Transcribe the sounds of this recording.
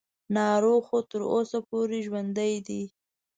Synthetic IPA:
nɑɾoxot̪əɾosapoɾeʒwand̪ajd̪i

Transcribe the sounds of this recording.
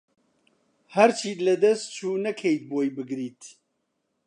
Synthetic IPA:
hɐɾt͡ʃʰiːlɐd̪ɐst̪̚t͡ʃʰuːnɐkʰejt̪̚boːjbɨɡɾiːt̪

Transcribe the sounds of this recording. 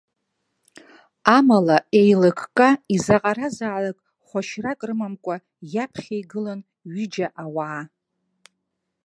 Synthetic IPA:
amalae̞jlakʰʼkʼaizaqʼaɾazaʕlakʼ | χʷaʃrakʼrɨmamkʷʼa | japʰχʲejɡɨlan | ɥɪd͡ʒaʔawaː

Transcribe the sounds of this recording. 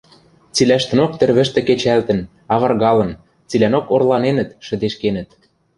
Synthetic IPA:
t͡silæʃt̪ə̆nok̚t̪ɘ̆rβɘ̆ʃt̪ĕket͡ɕælt̪ə̆n | ɑβɤrɣɑlɤ̆n | t͡silænokorlɑnenə̆t̪ʃə̆d̪eʃkenə̆t̪̚

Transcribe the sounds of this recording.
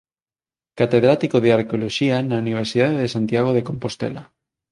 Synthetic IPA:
kat̪e̞ðɾat̪ikoðeaɾkeo̞loʃianauniβ̞eɾsiðaðeðesant̪jaɣ̞oð̞e̞ko̞mpo̞st̪ḛla

